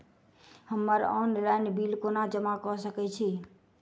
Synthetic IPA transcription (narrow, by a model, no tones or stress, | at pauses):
həmːəɾɔ̰nlaɪnbilkonad͡ʒəmakɔsəkɛt͡ʃʰi